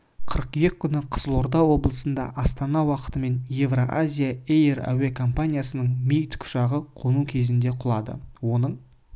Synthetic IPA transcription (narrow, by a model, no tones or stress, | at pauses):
qʰəɾəqjekʲʰːʏnɪqʰə̥zəlˠoɾd̪ɑwo̞bəlˠəsənd̪ɑ̰ʔɑst̪ɑnɑwɑqə̥t̪əme̞nje̞vroʔazʲijaejræ̰wekʰo̞mpanʲijasənəɴmʲijt̪kʲʰʊ̥ʃɑʁəqʰonukʲʰe̞zɪnd̪e̞qʰʊlˠɑd̪ə̰wo̞nəɴ